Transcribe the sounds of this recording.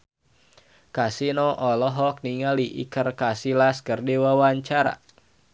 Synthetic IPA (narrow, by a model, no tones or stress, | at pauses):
kasinɔʔɔlɔɦɔk̚niŋaliʔḭkərkasilaskərdewawaɲt͡ʃaɾa̰